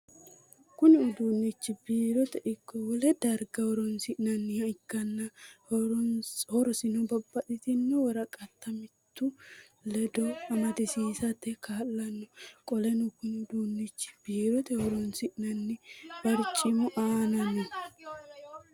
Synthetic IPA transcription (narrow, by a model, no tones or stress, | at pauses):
kʊnɪʊd̪uːnːɪt͡ʃːɪbiːɾɔt̪ɛʔɪkːɔwɔlɛd̪ɐɾɡɐhɔɾɔnsɪʔnɐnːɪhɐɪkːɐnːɐhɾnhɔɾɔsɪnɔbɐbːɐᶑɪt̪ɪnːɔwɔɾɐkʼɐt̪ːɐmɪt̪ːʊ | lɛd̪ɔɐmɐd̪ɛsiːsɐt̪ːɛkaːlːɐnːɔkʼɔlɛnʊkʊnɪʊd̪uːnːɪt͡ʃːɪ̥b̥iːɾɔt̪ɛhɔɾɔnsɪʔnɐnːɪb̥ɐɾt͡ʃʼɪmʊʔaːnɐnːɔ